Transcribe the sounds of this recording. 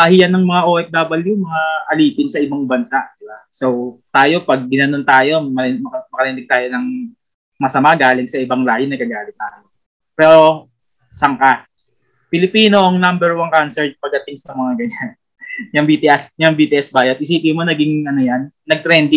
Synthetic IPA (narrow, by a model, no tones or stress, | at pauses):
aːhɪjanɐŋmɐŋaʔoːʔɛk̚d̪aːbɐljumɐŋaʔɐliːpɪnsɐʔɪbaŋbɐnsaʔd̪̥ɪbasowt̪aːjo̞pɐɡ̚ːɪnɐno̞nt̪aːjo̞mɐmɐɐmɐkɐɾɛnɪɡ̚t̪aːjo̞nɐŋ | mɐsɐmaɡaːlɪŋsɐʔɪbaŋlaːhɪnɐkɐɡaːlɪŋt̪aːjo | pɛːɾo̞ | sɐŋka | pɪlɪpiːno̞ʔɐŋnambɛɹwaŋkansɛɹt̪̚pɐɡ̚d̪ɐt̪ɪŋsɐmɐŋaɡɐɲan | jɐŋbit̪ɪʔɐsjɐŋbiːt̪ɪʔɛsbaːjɐd̪̚ʔɪsiːp̪ɪmonɐɡɪŋʔɐnojanːɐɡ̚t̪ɾɛnd̪ɪ